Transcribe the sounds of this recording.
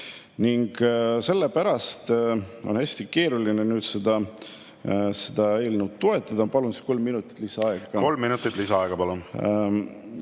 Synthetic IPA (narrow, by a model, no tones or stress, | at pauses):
niŋɡ̥se̞lːepæɾɑst̪o̞nhæsʲt̪ike̞ːɾulinenyːd̪̥sed̪̥ɑ | sed̪̥ɑe̞ːlneut̪t̪ːo̞e̞t̪ˑːɑd̪̥ɑpɑlunsi̥sko̞lmːinut̪ːˑi̥t̪ːˑlisɑɑeɡɑko̞lmːinut̪ːˑit̪ːˑlisɑɑeɡ̥ɑpɑlun